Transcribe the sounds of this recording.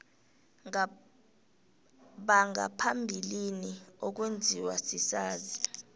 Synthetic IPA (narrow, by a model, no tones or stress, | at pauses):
ɓaŋa̰pʰambʱiliniok̬wend͡zʱiwasisaːzi